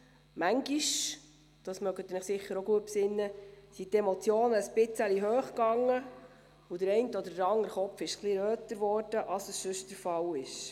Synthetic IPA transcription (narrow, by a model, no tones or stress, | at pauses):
mæŋɡiʃ | d̥ɑsmœɡət̪ːnəχsɪχːəɾoɡuəpsɪnːəsit̪emɔt͡sjoːnəəsb̥ɪt͡səliɦøːχɡɑŋːə | ʊd̥̪əɾɛɪntəɔd̪ədəɾɑŋəɾχɔpfɪʃkliɾøːtəɾʋɔːɾd̥əʔɑsəssɵʃtəɾfɑwɪʃ